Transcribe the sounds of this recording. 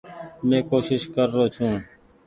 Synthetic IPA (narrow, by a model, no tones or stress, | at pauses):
mẽːkoːʃɪʃkəɾːoːt͡ʃʰũː